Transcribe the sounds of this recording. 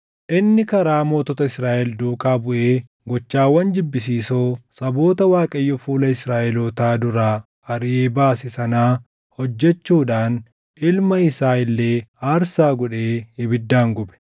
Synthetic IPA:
ʔɪnːɪkɐɾaːmo̞ːt̪ɔt̪ɐɪsɾaːʔɛld̪uːkaːbʊʔeː | ɡɔt͡ʃːaːwːɐnd͡ʒɪbːɪs̬iːsoːsɐbo̞ːt̪ɐwaːkʼɐjːɔfuːlɐɪsɾaːʔɛlot̪aːd̪ʊɾaː | ʔɐɾʔeːbaːsɪsɐnaː | hɔd͡ʒːɛt͡ʃːuːᶑaːn | ʔɪlmɐɪsaːɪlːe̞ːaːɾsaːɡɔᶑeːɪbɪd̪ːaːŋɡɔbɛ̥

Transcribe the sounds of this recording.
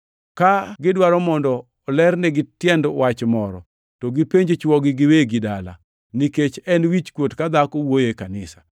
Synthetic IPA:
kaɡɪdwaɾɔmɔndɔː | lɛrnɛɡɪtjɛndwat͡ʃmɔɾɔ̰ | tɔɡipeɲd͡ʒet͡ʃwɔɡɪɡɪweɡɪdala̰ | niket͡ʃɛnwit͡ʃkwotkad̪akowojekanɪsḁ

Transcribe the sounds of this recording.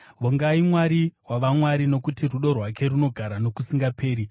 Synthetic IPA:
ʋoŋɡaimwaɾiwaʋamwaɾino̞kutiruɗo̞rwake̞runo̞ɡʱaɾano̞kusiŋɡapʰe̞ːɾi

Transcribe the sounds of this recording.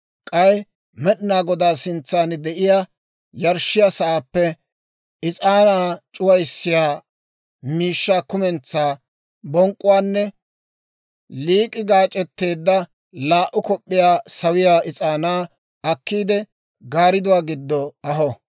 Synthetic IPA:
kʼɐj | mɛɗɪnaːɡɔd̪aːsɪnt͡sːaːnd̪ɛʔɪjaː | jɐɾʃɪjaːsɐʔaːpːɛ | ɪt͡sʼaːnaːt͡ʃʼʊwɐjsːɪjaː | miːʃːaːkʊmɛnt͡sːaː | bɔŋkʼːʊwaːnːɛ | liːkʼɪɡaːt͡ʃʼɛt̪ːe̞ːd̪ːɐ | laːʔʊkɔpʼːɪjaːsɐwɪjaːʔɪt͡sʼaːnaː | ɐkːiːd̪ɛ | ɡaːɾɪd̪ʊwaːɡɪd̪ːɔɐɦɔ

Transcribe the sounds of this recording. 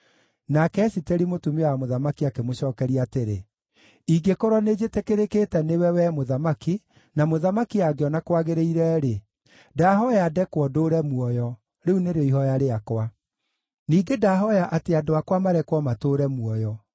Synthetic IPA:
nakɛsiteɾimotumeɔwamoðamakiakemoɕɔːkɛɾiateɾḛ | iɡekoɾɔned͡ʒetekeɾekeːtɛnewɛwɛmoðamaki | namoðamakiaɡeɔnakwaɣeɾeiɾɛɾe | dahɔjaːdɛkwɔdoːɾɛmwɔjɔ | ɾeuneɾoiɦɔjaɾeakwa | niːɡedaɦɔjaʔateadoakwamaɾɛkwɔmatoɾɛmuɔjɔ

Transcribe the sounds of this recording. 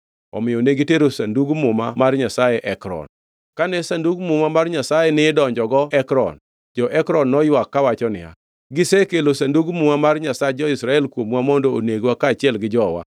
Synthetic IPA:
ɔ̰mɪjɔneɡiteɾosanduɡmʊma̰marɲasajɛʔɛkɾɔ̰n | kanɛsanduɡmʊmamarɲasajɛnɪdɔɲd͡ʒɔɡɔɛkɾɔ̰n | d͡ʒɔʔɛkɾɔnːɔjwakːawat͡ʃɔnɪ̰a̰ | ɡɪsekelosanduɡmuŋamarɲasad͡ʒɔɪsɾaɛlkwomwamɔndooneɡwakaːt͡ʃɪɛlɡɪd͡ʒɔwa̰

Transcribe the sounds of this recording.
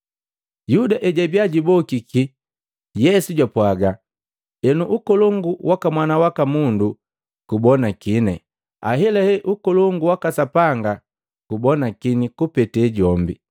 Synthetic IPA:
judaʔɛɟabjaɟibɔkiki | jɛsuɟwapwaɡa | ɛnuʔukɔlɔŋɡuwakamwanawakamundu | kubɔnakinɛ̰ | a̰ɦɛlɛhɛʔukɔlɔŋɡuwakasapaŋɡa | kubɔnakinikupɛtɛɟɔmbḭ

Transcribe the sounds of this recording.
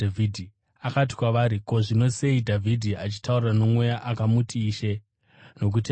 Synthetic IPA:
aidʱi | akati̥kwaʋaɾiko̞ʐino̞se̞idʱavʱidʱiat͡ʃi̥taurrano̞mwe̞jaʔakamutʰiːʃe̞ | no̞k̬uti

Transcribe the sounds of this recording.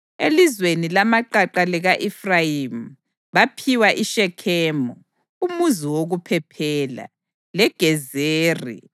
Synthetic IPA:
elizwenilamaǃaǃalɛɣaʔifrajim̩ | βapʰiwaʔiʃɛkʰɛːmɔ | umuziwoɣupʰɛpʰɛːla̰ | lɛɡ̥ʱɛzeːrḭ

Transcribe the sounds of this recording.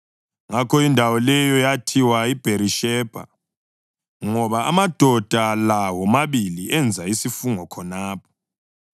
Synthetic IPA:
ŋakʰɔindʱawɔlɛjɔjatʰiwaib̥ʱeɾiʃɛːb̥ʱa̰ | ŋɔβaːmad̥ʱɔd̥ʱalawɔmaβiliɛnd͡zʱaisifuŋɔkʰɔnaːpʰɔ̥

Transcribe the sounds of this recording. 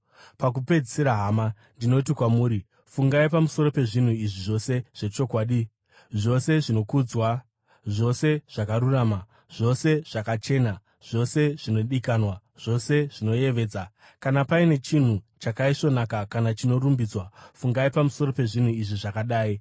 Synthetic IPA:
pak̬upe̞d͡ziseɾaɦaːma | ndino̞t̬ikwamuːɾi | fuŋɡaipamuso̞ɾo̞pe̞ʐin̤uiʐiʐo̞se̞ʐ̥e̞t͡ʃo̞kwaːɗi | ʐo̞se̞ʐino̞kud͡zwa | ʐo̞se̞ʐ̥akaɾuraːma | ʐ̥o̞se̞ʐ̥akat͡ʃe̞ːna | ʐ̥o̞se̞ʐ̥ino̞ɗikanwa | ʐ̥o̞se̞ʐ̥ino̞je̞ʋe̞ːd͡za | kanapaine̞t͡ʃin̤ut͡ʃakaiʃo̞nakakanat͡ʃino̞ɾumbid͡zwafuŋɡaipamuso̞ɾo̞pe̞ʐin̤uiʐiʐakaɗaːi

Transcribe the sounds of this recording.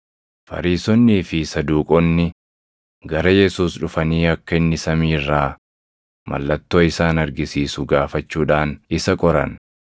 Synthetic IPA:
fɐ̰ɾiːsɔnːiːfɪsɐd̪uːkʼɔnːɪ | ɡɐɾɐjɛsuːsᶑʊfɐniːɐkːɐɪnːɪsɐmiːrːaː | mʔɐ̰lːɐt̪ːo̞ːɪsaːnɐɾɡɪsiːsʊɡaːfɐt͡ʃːuːᶑaːnɪsɐkʼɔɾɐ̰n

